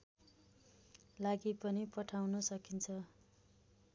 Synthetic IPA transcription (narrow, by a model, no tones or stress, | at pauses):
laɡipʌnipʌʈʰawnʌsʌkint͡sʰʌ